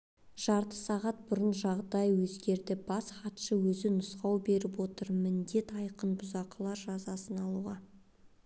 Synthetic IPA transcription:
ʒ̥ɑɾt̪ə̥sɑʁɑt̪̚bʊɾənʒɑʁd̪ɑjwɵzɡʲe̞ɾd̪ɪbɑsχɑt̪ʃəwɵzɪnʊsqɑwbe̞ɾɪpwo̞t̪əɾmɪnd̪e̞t̪ɑjqənbʊzɑqəlˠɑɾʒɑzɑsənɑlˠuʁɑ

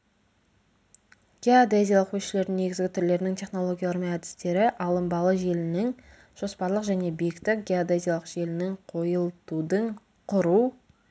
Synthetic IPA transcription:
ɡ̥ʲeod̪ezʲijalˠəqkʰɵsʃɪle̞ɾd̪ɪŋne̞ɡʲɪzɡʲɪt̪ʰʏɾle̞ɾɪnɪŋt̪ʲʰe̞χno̞lˠo̞ɡʲijalˠəmæd̪ɪ̥st̪e̞ɾɪʔɑlˠəmbɑlˠəʒe̞lɪnɪŋ | ʒ̥o̞spɑɾlˠəqʒæne̞bijɪkt̪ɪk̚ɡʲeod̪ezʲijalˠəqʒe̞lɪnɪŋqʰo̞jəlˠt̪ud̪əɴ | qʰʊɾu

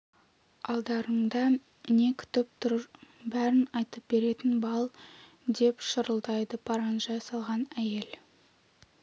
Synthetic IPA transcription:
ɑlˠd̪ɑɾəɴd̪ɑ | ne̞kʲʰɪ̥t̪ɪp̚t̪ʰʊɾbæɾɪnɑjt̪əp̚be̞ɾe̞t̪ɪnbɑlˠ | d̪e̞pʃəɾəlˠd̪ɑjd̪əpʰɑɾɑnʒɑsɑlˠʁɑnæje̞l

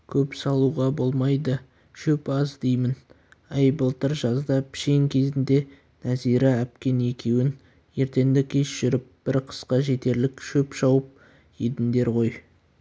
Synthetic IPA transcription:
kʲʰɵpsɑlˠuʁɑbo̞lˠmɑjd̪ə | ʃɵpɑzd̪e̞jmɪn | ejbəlˠt̪əɾʒɑzd̪ɑpʰɪ̥ʃeŋkʲʰe̞zɪnd̪e̞ | næziɾɪæp̚kʲe̞ne̞kʲʰe̞wɪn | je̞ɾt̪e̞nd̪ɪkʲʰe̞sʒ̥ʏɾɪp̚b̥ɪɾqʰə̥sqɑʒe̞t̪e̞ɾlɪkʃɵpʃɑwəp̚ | ed̪ɪnd̪e̞ɾʁo̞j

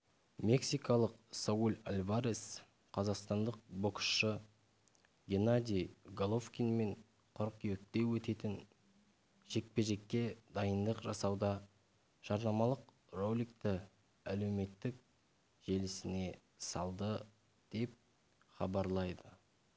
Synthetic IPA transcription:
me̞ksijkɑlˠəqsoulʲalʲvaɾes | qʰɑzɑqst̪ɑnd̪əq̚boksʃə | ɡʲe̞nad̪ʲijɡolˠofkʲinme̞ɴ | qʰʊɾqjekt̪e̞wɵt̪e̞t̪ɪn | ʒ̥e̞k̚pe̞ʒe̞kʲːe̞d̪ɑjənd̪əqʒɑsɑwd̪ɑ | ʒ̥ɑɾnɑmɑlˠəq | rolʲijkt̪ɪ | æle̞wme̞t̪ːɪk̚ | ʒ̥e̞lɪsɪne̞ | sɑlˠd̪ə | d̪̥e̞p̚ | χɑbɑɾlˠɑjd̪ə

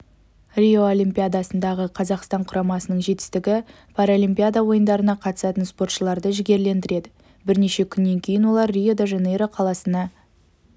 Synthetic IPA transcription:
rʲioolʲˠimpʲijad̪asənd̪ɑʁəqʰɑzɑqst̪ɑɴqʰʊɾɑmɑsənəɴʒe̞t̪ɪ̥st̪ɪɡʲɪ | pʰaɾolʲimpʲijad̪awo̞jənd̪ɑɾənɑqʰɑt̪ə̥sɑt̪ənspo̞rt̪ʃəlˠɑɾd̪əʒɪɡʲe̞ɾle̞nd̪ɪɾe̞d̪ɪ | bɪɾne̞ʃe̞kʲʰʏnːe̞ŋkʲʰe̞jɪnwo̞lˠɑɾːijo̞d̪eʒenejɾəqʰɑlˠɑsənɑ

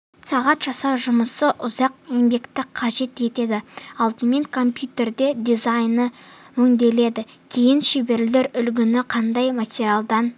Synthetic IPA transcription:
sɑʁɑt̪ʒ̥ɑsɑwʒʊməsəʔʊzɑq̚embe̞kt̪ɪqʰːɑʒe̞t̪e̞t̪e̞d̪ɪɑlˠd̪əme̞ŋkʰo̞mpjut̪ʲe̞rd̪e̞d̪ʲizajnə | mʏŋd̪e̞le̞d̪ɪ | kʲʰejɪnʃebe̞ɾlle̞ɾʏlɡʲɪnɪqʰɑnd̪ɑjmat̪ʲeɾʲialˠd̪ɑn

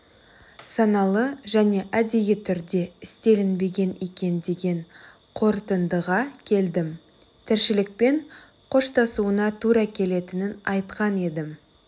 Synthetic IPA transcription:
sɑnɑlˠəʒæne̞ʔæd̪ejɪt̪ʰʏɾd̪e̞ɪst̪e̞lɪnbe̞ɡʲe̞nekʲe̞nd̪e̞ɡʲe̞ɴ | qʰo̞ɾt̪ənd̪əʁɑkʲʰe̞ld̪ɪm | t̪ʰɪɾʃɪlɪk̚pe̞ɴ | qʰo̞ʃt̪ɑsuənɑt̪ʰuɾɑkʲʰe̞le̞t̪ɪnɪnɑjt̪qɑne̞d̪ɪm

